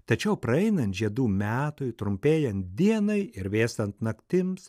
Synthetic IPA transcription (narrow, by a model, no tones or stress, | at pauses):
t̪ɐt͡ʃʲɛʊpɾɐɛɪnɐnt̪ʒʲiɛd̪uːmʲæːt̪ʊɪt̪ɾʊmʲpʲeːjɛnt̪̚d̪ʲiɛnɐɪɪɾʋʲeːst̪ɐnt̪nɐkt̪ʲɪms